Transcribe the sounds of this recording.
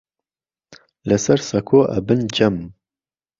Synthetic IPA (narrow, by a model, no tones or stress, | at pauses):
lɨsɐɾsɐkʰoːʔɛ̰bɨnd͡ʒɛm